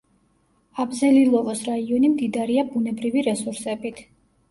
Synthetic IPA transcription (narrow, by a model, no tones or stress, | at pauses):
abzɛlilˠɔvɔsɾaiɔnimd̪id̪aɾiabunɛbɾiviɾɛsuɾsɛbit̪ʰ